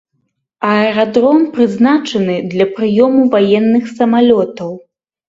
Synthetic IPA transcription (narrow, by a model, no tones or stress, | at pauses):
ɐɛɾad̪ɾɔmpɾɨznat͡ʂɐnɨd̪lʲɐpɾɨjɔmuvajɛnːɨxsɐmalʲɔt̪ɐw